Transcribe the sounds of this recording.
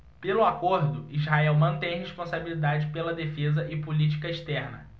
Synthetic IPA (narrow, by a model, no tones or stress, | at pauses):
pelʊakoɾd̪ʊizɦaɛwmɐ̃nt̪ẽj̃ɦeʃpõsabilid̪ad͡ʒɪpelɐd̪efezɐʔɪpulit͡ʃi̥kɐiʃt̪ɛɾnɐ̰